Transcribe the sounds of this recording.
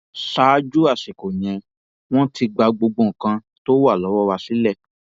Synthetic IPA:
saː˨˦d͡ʒu˦a˦˨si˨ko˨j̃ɛ̃˨ | w̃ɔ̃˦ti˧ɡ͡ba˧ɡ͡bo˧ɡ͡bõ˧˨kã˧ | to˦wa˦˨lɔ˨˦wɔ˦wa˧si˨˦lɛ˦˨

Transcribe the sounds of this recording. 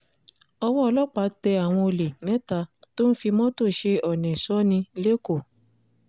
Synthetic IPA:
ɔ˧wɔ˦ɔ˧lɔ˦˨k͡pa˨˧˦tɛ˧a˨w̃ɔ̃˧o˧le˨nɛ̃˦ta˧to˦n̩˦fi˧mɔ̃˦to˦˨ʃe˧ɔ˨nɛ̃˨sɔ˨˦nĩ˧˦le˦ko˦˨

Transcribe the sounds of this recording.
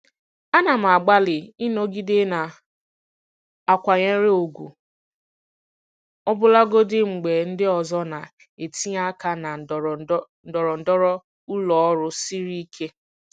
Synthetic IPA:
a˦na˨m̩˨a˨ɡ͡ba˦lɪ˨ɪ˦no˦ɡi˦dɪ˦na˨ | a˨kʷa˨ɲe˦ɾe˦o˨ɡʷṵ˨ | ɔ˦bʊ˦la˦ɡo˦dɪ˦ŋ͡m̩˨ɡ͡be˨n̩˦dɪ˦ɔ˨zɔ˦na˨ | e˨ti˦a˦ka˦na˨ | n̩˦˨dɔ˨ɾɔ˨n̩˨dɔ˦ɾɔ˦ | ʊ˦lɔ˨ɔ˦ɾʊ˦si˦ɾi˦i˦kʰe˦

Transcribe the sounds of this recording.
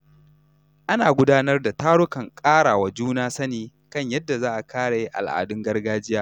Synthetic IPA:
ʔa˦naː˨ɡʷʊ˦daː˦nɐ˦rda˨taː˦ɽʊ˦kɐ˨ŋkʼaː˦ɽaː˨wa˨d͡ʒuː˦naː˦sɐ˦niː˨ | kɐ˦˨ɲjɐ˦dːa˨zaː˦ʔa˨kʰaː˦ɽa˨ji˦ʔa̰˨lʔa̰ː˨dʊ˦ŋɡɐ˦rɡaː˦d͡ʒɪ˦jaː˦

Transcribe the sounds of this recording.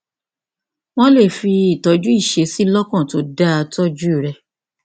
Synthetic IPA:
w̃ɔ̃˦le˦˨fi˧i˦˨tɔ˨˦d͡ʒu˦i˦˨ʃe˨˦si˦lɔ˦kɔ̃˦˨to˨˦da˦a˧tɔ˦d͡ʒu˦i˦˨ɾɛ˧

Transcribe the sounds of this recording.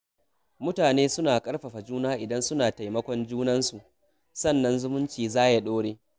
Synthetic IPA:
mʊ˦taː˨neː˦sʊ˦naː˨kʼɐ˦ɽɸɐ˨ɸa˨d͡ʒuː˦naː˦ʔɪ˨dɐ˦nsʊ˦naː˨ta˨jmɐ˦kʷɔ˦nd͡ʒuː˦nɐ˦nsu˨ʔ | sɐ˦˨nːɐ˦nzʊ˦mʊ˦nt͡ʃiː˨zaː˦ja˦ɗoː˦ɽeː˦

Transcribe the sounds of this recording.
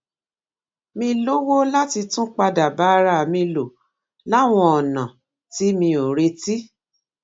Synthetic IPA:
mĩ˧lo˦wo˦la˦ti˧tũ˦k͡pa˧da˨ba˨˦ɾa˦˨mĩ˧lo˨ | la˦˨w̃ɔ̃˧ɔ˨nã˨ | ti˨˦mĩ˧o˨ɾe˧ti˦

